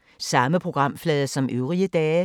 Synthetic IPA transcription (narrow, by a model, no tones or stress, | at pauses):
sɑ̈məpʰʁo̝ɡ̥ʁɑ̈m̰flɛːðˠɐsɒ̽mʔøʊʁiəd̥ɛː